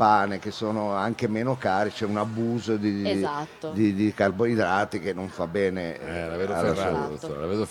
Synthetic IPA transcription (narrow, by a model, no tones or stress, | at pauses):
paːnek̟esoːnoaŋkemeːnokaːɾit͡ʃɛunabuːzod̪i | d̪id̪ikarboid̪ɾaːt̪ikenːoɱfabːɛːneɛlaved̪oalːauoɾlaveːd̪o